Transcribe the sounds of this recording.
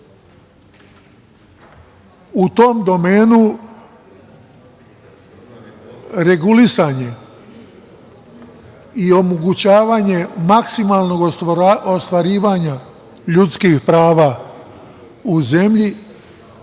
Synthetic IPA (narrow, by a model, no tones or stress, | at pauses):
ut̪o̞md̪o̞me̞ːnu | ɾeɡulisaɲe̞ | io̞moɡut͡ɕaːʋaːɲe̞maksimalˠno̞ɡost̪ʋaɾiːʋaːɲa | ʎut̪skixpɾaːʋa | uze̞mʎi